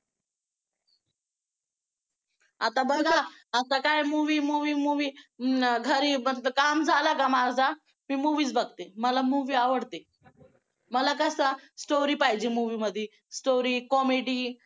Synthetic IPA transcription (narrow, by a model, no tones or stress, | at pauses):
at̪abəɡaat̪akajmuʋiːmuʋiːmuʋiːɡʱəɾiːmət̪ləkamd͡zʱalaɡamaɾd͡za | miːmuʋiːt͡sbəɡ̚t̪eməlamuʋiːaʋəɽt̪e | məlakəsasʈoɾiːpaɦjd͡ʑimuʋiməd̪ʱːje | sʈoɾiːkɔmeɽiː